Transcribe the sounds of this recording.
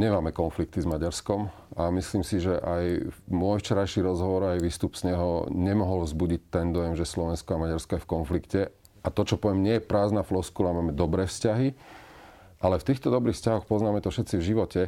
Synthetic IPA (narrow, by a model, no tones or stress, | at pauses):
ɲɛmaːmɛkɔnflik̚t̪izmaɟaɾskɔm | amisliːmsiʒɛʔajmʊɔjft͡ʃɛɾajʃiɾɔzɦɔʋɔɾajʋiːst̪upsɲɛɦɔ̰ɲɛmɔɦɔlvzbuɟic̚t̪ɛnd̪ɔjɛmʒɛslɔʋɛnskɔamaɟaɾskɔjɛfkɔnflikcɛ | ʔat̪ɔt͡ʃɔpɔʋɛmɲɪɛjɛpɾaːznaflɔskulamaːmɛd̪ɔbɾɛːfscaɦi | ʔalɛft̪iːxt̪ɔd̪ɔbɾiːxfscaɦɔxpɔznaːmɛt̪ɔfʃɛt̪t͡sivʒiʋɔcɛ